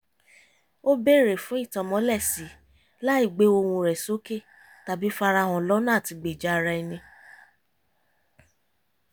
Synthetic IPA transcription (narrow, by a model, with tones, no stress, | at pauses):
o˦be˦˨ɾe˨fũ˨˦i˦˨tɔ̃˨mɔ̃˨˦lɛ˦˨si˨˦ | la˦i˦˨ɡ͡be˨˦o˧wũ˧ɾɛ˨so˨˦ke˦˨ | ta˨bi˨˦fa˧ɾa˧˨ɦɔ̃˨lɔ˨˦nãː˦˨ti˧ɡ͡be˨d͡ʒa˦a˧ɾa˧i˧nĩ˧